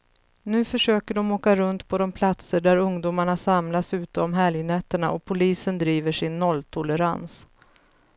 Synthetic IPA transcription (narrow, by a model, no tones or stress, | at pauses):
nʉ̟ːfœʂøːkəɖɔmoːkaɾɵnt̪pʰɔd̪ɔmpʰlat̪səɖæɾɵŋd̪uːmaɳasamlasʉ̟ːt̪əɔmɦɛljənɛt̪ːəɳa̰ʔɔpʰʊliːsənd̪ɾiːvəʂɪnːɔlːt̪ʰʊləɾa̰ns